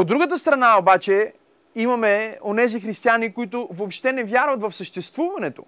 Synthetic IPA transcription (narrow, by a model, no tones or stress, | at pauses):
od̪ːɾuɡət̪əst̪ɾɐnaobat͡ʃɛ | imɐmɛonɛzixɾist̪ianikʊit̪ʊvopʃt̪ɛnɛvʲjaɾvɐt̪vɐfsəʃt̪ɛst̪vuvɐnɛt̪o̰